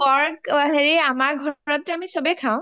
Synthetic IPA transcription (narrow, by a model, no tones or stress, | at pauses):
ɔɹkaɦeɹiamaɹɡʱɔɹɔtːɛamisɔbɛkʰãʊ̃